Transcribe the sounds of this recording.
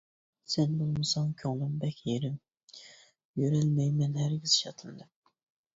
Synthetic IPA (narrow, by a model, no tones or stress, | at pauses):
sɛnbulˠmɨsɑŋkʲʰoŋlˠɨmbɛkʲʰjeɾɪm | jøɾælmɛjmɛnhæɾɡʲiz̥iʃɑt̪ʰɨnd̪ɨ